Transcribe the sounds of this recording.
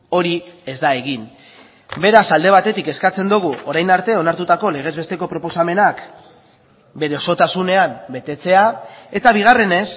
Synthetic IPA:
o̞ɾie̞zd̪ae̞ɣin | be̞ɾasald̪e̞β̞at̪e̞t̪ike̞skat͡se̞nd̪uɣ̞uo̞ɾajnaɾt̪e̞o̞naɾt̪ut̪ako̞le̞ɣ̞e̞zβe̞st̪e̞ko̞pɾo̞po̞same̞nak | be̞ɾe̞oso̞t̪asune̞ambe̞t̪e̞t͡se̞ae̞t̪aβ̞iɣ̞are̞ne̞s

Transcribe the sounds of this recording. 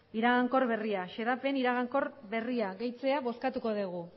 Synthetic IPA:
iɾaɣaŋko̞ɾβe̞riaʃe̞ðape̞niɾaɣaŋko̞ɾβe̞riaɣe̞jt͡se̞aβo̞skat̪uko̞ðiɣ̞u

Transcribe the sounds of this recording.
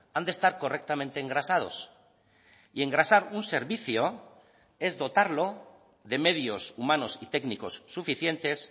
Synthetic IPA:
and̪e̞st̪aɾko̞rek̚t̪amẽnt̪eːŋɡɾasað̞o̞s | ie̞ŋɡɾasaɾunse̞ɾβiθjo̞ | e̞zðo̞t̪aɾlo̞ | ðe̞me̞ð̞jo̞sumano̞sit̪e̞kniko̞sːufiθje̞nt̪e̞s

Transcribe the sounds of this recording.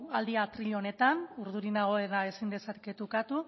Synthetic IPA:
ald̪iat̪ɾiʎo̞ne̞t̪anuɾðuɾinaɣ̞o̞eɾae̞sind̪e̞sat̪ket̪okat̪u

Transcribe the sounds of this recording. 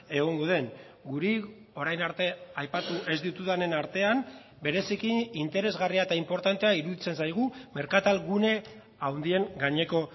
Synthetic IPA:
e̞ɣ̞o̞ŋɡo̞ðe̞n | ɡuɾi | o̞ɾajnaɾt̪e̞ajpat̪uʔe̞zd̪it̪uðane̞naɾt̪e̞am | be̞ɾe̞sikiːnt̪e̞ɾe̞zɣariaet̪aimpo̞ɾt̪ant̪e̞aiɾuðit͡se̞nsajɣ̞ume̞ɾkat̪alɣune̞ | awnd̪ie̞ŋɡaɲe̞ko̞

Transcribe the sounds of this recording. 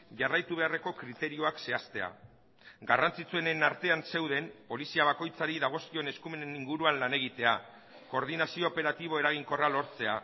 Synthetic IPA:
ʝarajt̪uβe̞are̞ko̞kɾit̪e̞ɾio̞akse̞ast̪e̞a̰ | ɡarant͡sit͡sue̞nenaɾt̪e̞anse̞wðe̞mpo̞lisiaβ̞ako̞jt͡saɾiðaɣ̞o̞sk̪io̞ne̞skume̞neniŋɡuɾuanlane̞ɣ̞it̪e̞a | ko̞ɾðinasio̞ːpe̞ɾat̪iβ̞o̞e̞ɾaɣiŋko̞ralo̞ɾt͡se̞a

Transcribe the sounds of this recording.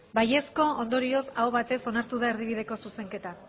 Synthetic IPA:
baje̞sko̞ond̪o̞ɾio̞saoβat̪e̞so̞naɾt̪uðaeɾðiβ̞iðe̞ko̞suse̞ŋke̞t̪a

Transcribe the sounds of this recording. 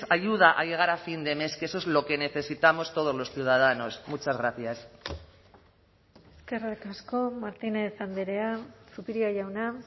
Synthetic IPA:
saʝuð̞aʔaʝe̞ɣ̞aɾafind̪e̞me̞skesoezlo̞ke̞ne̞θe̞sit̪amo̞st̪o̞ð̞o̞zlo̞sθjuwð̞að̞ano̞smut͡ʃazɣɾaθjas | eskerekasko̞maɾt̪inaesanb̪eɾeasupiɾiaʝawna

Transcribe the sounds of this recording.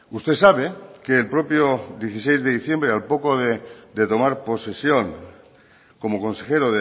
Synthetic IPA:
ust̪e̞saβ̞e̞ke̞ːlpɾo̞pjod̪je̞θisejzðe̞ðiθje̞mbɾealpo̞ko̞ðed̪e̞t̪o̞maɾpo̞se̞sjo̞ŋ | ko̞mo̞ko̞nse̞xe̞ɾoðe

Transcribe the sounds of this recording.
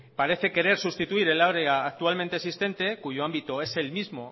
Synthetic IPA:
paɾe̞θe̞ke̞ɾe̞ɾsust̪it̪uiɾe̞laɾeaːk̚t̪ualment̪esist̪e̞nt̪e̞kuʝo̞ambit̪oe̞se̞lmizmo̞

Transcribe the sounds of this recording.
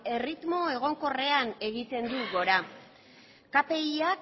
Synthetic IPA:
e̞rit̪mo̞e̞ɣ̞o̞ŋko̞re̞ane̞ɣit̪e̞nd̪uɣo̞ɾa | kape̞iak

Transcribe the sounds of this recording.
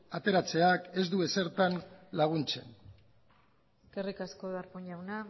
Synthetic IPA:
at̪e̞ɾat͡se̞ake̞zd̪ue̞se̞ɾt̪anlaɣ̞unt͡se̞̰n | kerikasko̞ðaɾpuɲawna

